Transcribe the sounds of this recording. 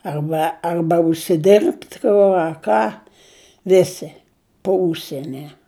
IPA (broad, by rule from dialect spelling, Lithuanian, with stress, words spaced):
ɐrˈbɐ ˈɐrbɐ ʊʃʲsʲɪˈdʲɪrpt ˈkʊ ɐ ˈkɑː ˈʋʲɪsʲɪ poː ˈʊʃʲsʲiɛnʲɪ